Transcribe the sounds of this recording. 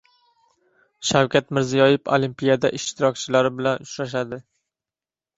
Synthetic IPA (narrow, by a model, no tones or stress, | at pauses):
ʃawkʲʰat̪mɪɾzijɒjɪfo̰limpijad̪aʔɪʃt̪ʰɪɾɒkʲt͡ʃʰɪlaɾɪbɪlanʊt͡ʃɾaʃ̬ad̪ɪ